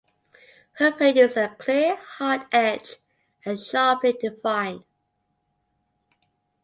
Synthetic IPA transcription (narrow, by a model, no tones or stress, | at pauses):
həpʰɹədjusəkʰl̥ɪəhɑˑtɛd͡ʒ | ə̃nʃɑˑplidɪfãɪ̃n